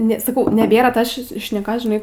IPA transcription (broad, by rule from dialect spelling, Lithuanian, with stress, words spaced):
ˈnʲɛ sɐˈkɐʊ nʲɛˈbʲeːrɐ ˈtoːs ʃʲɪs ʃʲnʲɛˈkoːs ʒʲɪˈnɐɪ